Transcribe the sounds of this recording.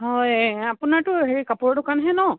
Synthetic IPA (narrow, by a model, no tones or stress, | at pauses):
ɦɔjapunaɹtʊɦeɹikapuɹɔdʊkanɦɛnɔ